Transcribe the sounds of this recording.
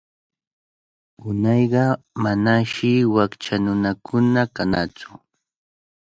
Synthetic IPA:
ʊnɑjɢɑ | manaʃɪwakt͡ʃanʊnakʰʊnakana̰t͡sʊ̥

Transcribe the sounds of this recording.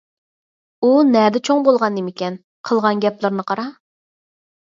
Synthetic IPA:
unɛd̪ɛt͡ʃʰoŋbolˠʁɑnd̪ɪmɪkʲɛn | qʰəlˠʁɑnɡʲɛplˠɨɾnɨqʰɑɾɑ

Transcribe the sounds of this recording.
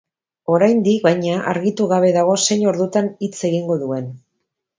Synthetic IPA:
o̞ɾajnd̪ikβajɲaʔa̰ɾɣit̪uɣaβ̞e̞ðaɣ̞o̞se̞ɲo̞ɾðut̪anit͡se̞ɣiŋɡo̞ðue̞n

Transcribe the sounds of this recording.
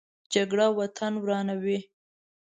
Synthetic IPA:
d͡ʒaɡɽawat̪ʰanwɾɑnawi

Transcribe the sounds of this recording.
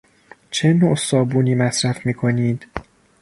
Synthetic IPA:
t͡ʃʰenoʔsɒːbuːniːmæsɾæfmiːkʰoniːd̪

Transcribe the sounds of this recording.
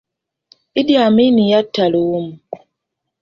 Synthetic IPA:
idjaminijatːalumu

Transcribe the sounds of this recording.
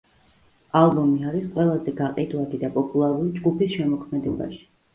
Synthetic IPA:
alˠbɔmiaɾisqʼwɛlˠazɛɡaqʼid̪wad̪id̪apʼɔpʼulˠaɾuɾid͡ʒɡupisʃɛmɔkʰmɛd̪ɛba̰ʃi̥

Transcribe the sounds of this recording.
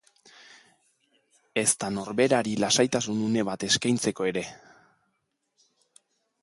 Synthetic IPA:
e̞st̪ano̞ɾβe̞ɾaɾilasajt̪asunune̞βat̪e̞skajnt͡se̞ko̞e̞ɾe̞

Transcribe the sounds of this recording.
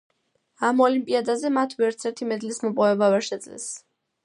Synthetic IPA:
amɔlimpʼiad̪azɛmat̪ʰvɛɾt̪sʰɛɾt̪ʰimɛd̪lismɔpʼɔvɛbavɛɾʃɛd̪zlɛ̰s

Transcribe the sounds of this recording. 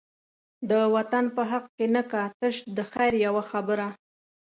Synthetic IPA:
d̪əwat̪anpəɦaq̚kenəkat̪əʃd̪əxajɾjawaxabəɾa

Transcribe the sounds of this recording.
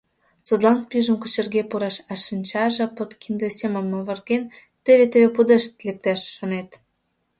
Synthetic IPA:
t͡sŏt̪lɑnpyʒə̆mkot͡ɕərɣepuɾɑʃɑʃinʲt͡ɕɑʒɤ̆pot̪kind̪esemə̆mːoβə̆rɣen | t̪eβet̪eβepud̪eʃt̪̚lek̚t̪æʃːŏnet̪

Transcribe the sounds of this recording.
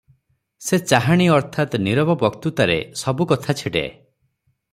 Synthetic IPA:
set͡ʃaɦaɽ̃iɔɾt̪ʰat̪niɾɔbɔbɔkt̪ut̪aɾḛsɔbukɔt̪ʰat͡ʃʰiɽḛ

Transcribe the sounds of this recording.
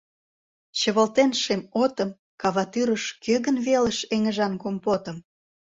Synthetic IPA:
ɕə̆βəlt̪enʃemot̪ə̆m | kɑβɑt̪yɾəʃkøɣənβelə̆ʃeŋə̆ʒɑnkompot̪ə̆m

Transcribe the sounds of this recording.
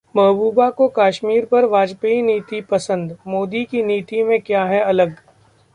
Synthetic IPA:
mɐɦbuːbakokaːʃmiːɾpɐɾʋaːd͡ʒpeiniːt̪ipɐsə̃nd̪moːd̪ikiniːt̪imẽkjaːɦɛɐləɡ

